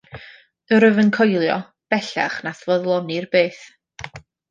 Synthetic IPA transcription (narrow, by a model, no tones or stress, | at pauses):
əɾəvənkʰɔjlˠjɔ̰ | b̥ɛɬa̰χnaθvɔðlˠɔnirbeːθ